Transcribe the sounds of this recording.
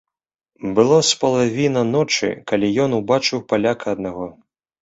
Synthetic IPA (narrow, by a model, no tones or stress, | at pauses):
bɨlˠɔspɐlˠavʲinɐnɔt͡ʂɨ̰kalʲijɔnubat͡ʂɨwpalʲakɐɐd̪̚naɣɔ